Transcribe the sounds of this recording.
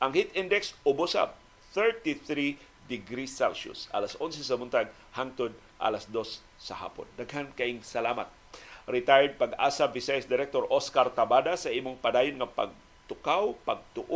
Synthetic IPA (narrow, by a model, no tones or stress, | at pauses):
ʔɐŋhit̪ʔɪnd̪ɛksʔʊbosa̰p̚ | θɛɹt̪iθɾi | d̪ɪɡɾisalʃʊ̰sʔa̰lasʔonsɛs̬ɐmʊnt̪aɡ | haŋt̪od̪ | ʔa̰lasd̪o̞sː | ɐ̰ha̰ːpo̰nːɐɡhankɐʔiŋsɐlaːmɐ̰t̪̚ɾɪt̪ajɛd̪̚pɐɡa̰savɪsajɛsd̪ɪɾɛk̚t̪oɾʔoskaɾt̪ɐbad̪asɐʔiːmoŋpɐd̪aːjʊnŋɐpɐ̰ɡ̚ | t̪ʊkawpɐɡ̚t̪ʊʔ